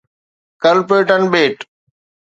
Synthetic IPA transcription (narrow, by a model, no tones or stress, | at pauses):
kəlpeːʈənɓeːʈ